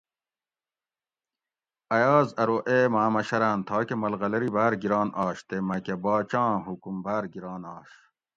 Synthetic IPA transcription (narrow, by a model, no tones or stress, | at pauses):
ɐjɑːzɐɾoʔemaːmɐɕɐɾaːnt̪ʰɑːkemɐlɣɐlɐɾibaːɾɡiɾɑːnʔɑːɕt̪emɐkebɑːt͡ɕɑ̃ːɦukumbaːɾɡiɾɑːnɑːɕ